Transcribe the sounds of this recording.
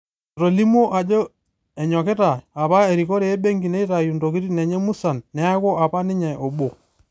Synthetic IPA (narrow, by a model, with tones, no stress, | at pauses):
ɾo˨li˦mo˦ʔa˨d͡ʒo˦ | ɛ˨ɲɔ˨ke˦ta˨a˨βa˦e˨ɾi˨ko˦ɾeː˨˦be˦ŋɡi˨ne˦i˦ɾa˨ju˨ndo˨ki˦ɾi˦nɛ˨ɲɛ˦mu˦sa˨nːɛ˦a˦ko˦a˨pa˦nɪ˦ɲɛ˨ʔo˨ɓo˨